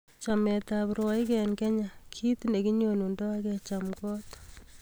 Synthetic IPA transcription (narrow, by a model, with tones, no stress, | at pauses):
t͡ʃamɛtapɾwɔi˦kɛnkɛ˦ɲa˨kʰi˦tne˨ki˦ɲonu˨ndɔ˦akɛt͡ʃamkɔ˦t